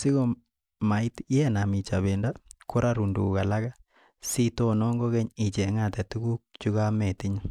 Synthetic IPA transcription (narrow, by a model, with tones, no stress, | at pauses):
si˦ɣo˦ | ma˨i˦tjɛ˦na˨mi˨t͡ʃa˨βe˨nda˦kʰo˦ɾa˦ɾu˨ndṵ˨ka˨la˦ɡa˦ | si˦to˦nɔ˦ŋɡo˦ɡɛ˦ɲi˨t͡ʃɛ˨ŋa˦˨tɛ˨tu˦ɡu˦k̚t͡ʃu˦ɣa˦mɛ˨ti˦ɲa˦